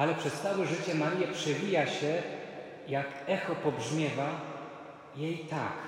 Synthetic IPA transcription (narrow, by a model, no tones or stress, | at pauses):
alɛpʂɛst̪sawɛʐɘt͡ɕɛmaɾjɛpʂɛvʲijaɕɛ | jakɛxɔpɔbʐmʲjɛva | jejt̪a̰k